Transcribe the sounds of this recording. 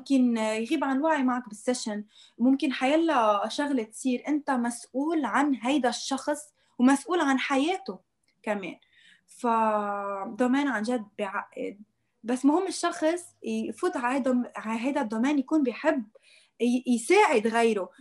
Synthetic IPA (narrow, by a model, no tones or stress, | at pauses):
mkɪnjɣiːbʕanwaʕimaʕak̚bɪsːaʃɪn | mʊmkɪnħajaːlːaʃaɣlet̪siːɾʔɪnt̪amasʔuːlʕanɦajd̪aʃːɑxsˤ | wmasʔuːlʕanħajeːt̪o | kamḛːn | fa | d̪ˤɑmeːnʕanʒad̪ːbɪʕaʔːɪ̰d̪̚ | basːmʊhɪmːɪʃːɑxsˤ | fuːt̪ʕaad̪ʕaɦajd̪ad̪ˤːɑmeːnjakuːnbɪjħɪbː | jsaːʕɪd̪ɣejɾo